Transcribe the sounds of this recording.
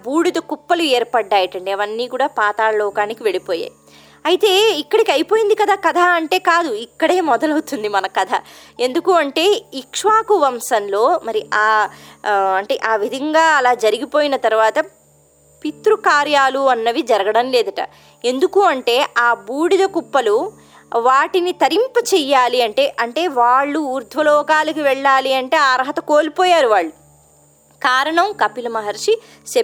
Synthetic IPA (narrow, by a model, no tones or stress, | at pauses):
buːɽid̪ɐkupːɐlueːɾpɐɖːaːjɐʈɐɳɖiɐʋɐnːiːkuːɽaːpaːt̪aːlɐlɔːkaːnikiʋe̞ɽipoːja̰ːj | ɐjit̪e̞ːikːɐɽikɐjipo̞ːjind̪ikɐd̪aːkɐd̪ʱɐɐɳʈe̞ːkaːd̪uikːɐɽe̞ːmɔd̪ɐlɐwut̪und̪imɐnɐkɐd̪ʰʱɐe̞nd̪ukuːɐɳʈe̞ːikʂʋaːkuʋɐmsɐnlo̞ːmɐɾiʔaː | ɐɳʈe̞̰ːʔaːʋid̪ʱɐŋɡaːɐlaːd͡ʒɐɾiɡipo̞ːjinɐt̪ɐɾuʋaːt̪ɐ | pit̪ɾukaːɾjaːluɐnːɐʋid͡ʒɐɾɐɡɐɽɐmleːd̪ɐʈɐ̰ | e̞nd̪ukuːɐɳʈe̞ːʔaːbuːɽid̪ɐkupːɐlu | ʋaːʈinit̪ɐɾimpɐt͡ʃɛjːaːliɐɳʈe̞ːʔɐɳʈe̞ːʋaːɭːuːɾd̪ʱʋɐlɔːkaːlɐkiʋɛɭːaːliɐɳʈe̞ːaːɾɐɦɐt̪ɐkoːlipoːjaːɾuʋaːɭːu | kaːɾɐɳɐmkɐpilɐmɐɦɐɾʂi | se